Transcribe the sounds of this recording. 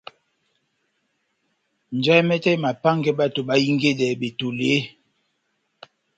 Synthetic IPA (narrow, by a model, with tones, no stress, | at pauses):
n˨d͡ʒa˦jmɛ˦tɛ˦ma˨pa˦ŋɡɛ˦ɓa˦to˨ɓa˨˦ji˦ŋɡe˦dɛ˨be˨to˨le˨˦